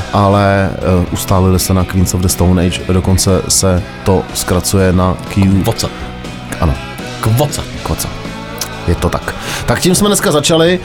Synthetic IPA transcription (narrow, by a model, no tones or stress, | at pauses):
ʔalɛʔust̪aːlɪlɪsɛnakviːnsovdɛst̪ownɛjt͡ʃdokont͡sɛsɛt̪o̞skɾat͡sujɛnakiuvot͡sɛ | ʔa̰no̰ | kvot͡sɛ | kvot͡sɛ̰ | jɛt̪ot̪akt̪akcimsmɛnɛskazat͡ʃalɪ